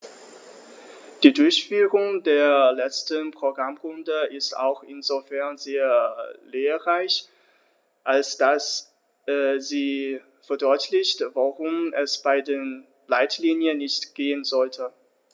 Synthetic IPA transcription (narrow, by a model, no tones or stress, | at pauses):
d̥iːdʊɐçfyːʁʊŋdeːɐlɛt͡stənpʁ̥oɡʁamʁʊndəʔɪsta̰ʊxʔɪnzofɛɐnzeːɐleːɐʁaɪç | ʔalsd̥as | ɛziː | fɛɐdɔʏtʰlɪçtvaʁʊmʔɛsb̥aɪdeːn | laɪtliːnjənːɪçtɡ̥eːənzɔltʰə